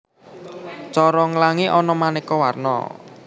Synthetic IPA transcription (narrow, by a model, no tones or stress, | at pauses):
t͡ʃɔɾɔŋəlaŋiʔɔnɔmanekɔwarnɔ̰